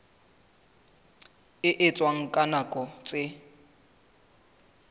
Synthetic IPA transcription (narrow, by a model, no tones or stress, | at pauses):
ɪʔɪt͡sʼwaŋ̩kʼanakʼɔt͡sʼɪ